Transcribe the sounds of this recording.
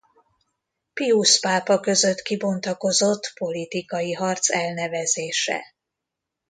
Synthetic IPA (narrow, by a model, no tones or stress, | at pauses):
piuspaːpɒkø̞zø̞t̪kibo̞nt̪ɒko̞zo̞t̪ːpo̞lit̪ikɒjiɦɒrt̪sɛlnɛvɛzeːʃɛ̰